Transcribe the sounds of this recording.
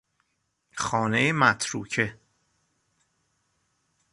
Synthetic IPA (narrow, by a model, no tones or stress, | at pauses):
xɒːnejemæt̪ʰɾuːcʰe